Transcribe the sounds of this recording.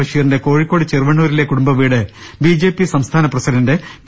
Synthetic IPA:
ɐʂjɐjɐrndeko̞ːɻikːo̞ːɽit͡ɕerʋɐɳːuːɾile̞kːuɽumbɐʋiːɽɨbiːd͡ʑe̞ːpːisɐmst̪ʰaːnɐprɐsiɾɐnde

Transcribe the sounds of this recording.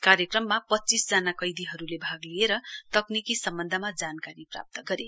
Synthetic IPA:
kaɾjʌkrʌmːapʌtːt͡sisd͡zanakʌjd̪iɦʌɾulebʱaɡlijeɾʌt̪ʌknikisʌmbʌnd̪ʱʌmad͡zankaɾipra̰p̚t̪ʌɡʌɾe

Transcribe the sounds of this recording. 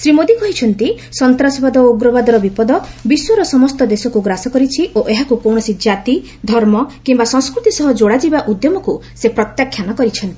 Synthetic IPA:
sɾimod̪ikɔɦit͡ʃʰɔnt̪i | sɔnt̪ɾasɔbad̪ɔoɡɾɔbad̪ɔɾɔbipɔd̪ɔbiswɔɾɔsɔmɔst̪ɔd̪esɔkuɡɾasɔkɔɾit͡ʃʰiʔoʔeɦakukowɽ̃ɔsid͡ʒat̪i | d̪ʱɔɾmɔkimbasɔŋ̃skɾut̪isɔɦɔd͡ʒoɽad͡ʒibaʔud̪jɔmɔkusepɾɔt̪jakʰjanɔkɔɾit͡ʃʰɔnt̪i

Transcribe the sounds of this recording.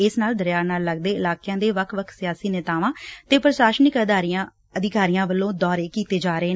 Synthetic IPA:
ɪsnaːld̪əɾjaːnaːlːəɡ̚d̪eːɪlaːkɪjãːd̪eːʋəkʰʋəkʰsɪjaːsiːnɪt̪aːʋãːt̪eːpəɾəʃaːʃnɪkəd̪aːɾijãː | əd̪ɪkaːɾijãːʋəlːõːd̪ɔːɾeːkiːt̪eːd͡ʒaːɾəeː

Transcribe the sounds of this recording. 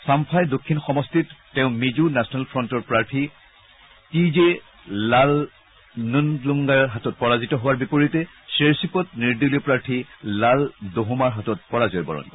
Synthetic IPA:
sampʰajdokʰːinxɔmɔstitːeʊ̃mizunasʰɔnalpʰɹɔntɔɹpɹaɹtʰi | tize | lal | nunluŋɡaɹɦatɔt̚pɔɹazitɔɦʊwaɹbipoɹitɛ | seɹsipɔt̚niɹdiliɔpɹaɹtʰilaldoɦumaɹɦatɔt̚pɔɹazɔjbɔ̰ɹɔ̰n

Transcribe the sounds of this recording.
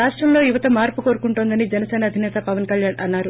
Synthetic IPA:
aːʂʈɾɐmlo̞ːjuʋɐt̪ɐmaːɾpukoːɾukuɳʈuːnd̪ɐnid͡ʒɛnɐsɛːnɐːd̪ʱinɛːt̪ɐpɐʋɐnkɐljaːnʔɐnːaːɾu

